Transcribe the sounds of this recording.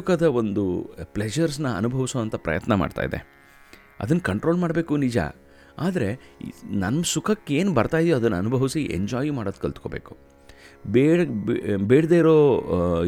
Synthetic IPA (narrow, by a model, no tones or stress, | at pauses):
kɐd̪ɐo̞nd̪upled͡ʒɐɾs̬nɐɐ̰nubʱɐʋisoːɐnt̪ɐpɾɐ̰jɐt̪nɐma̰ːɖt̪a̰ːjid̪ḛ | ɐ̰d̪ɐnːɐkɐɳʈɾo̞ːlmaːɽbe̞ːkunid͡ʒa̰ | aːd̪ɐɾenɐnːɐsukʰɐkːe̞ːnbɐɾt̪aːjd̪ijoɐd̪ɐnːɐnubʱɐʋisiʔḛɲd͡ʒaːjmaːɽod̪̚kːɐlt̪ko̞ːbeːku̥ | beː | beːɽd̪eiɾo̞ː